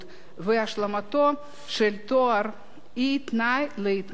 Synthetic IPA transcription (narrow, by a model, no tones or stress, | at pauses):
t̪ | veaʃlamat̪o | ʃelt̪oaɾ | it̪najleit̪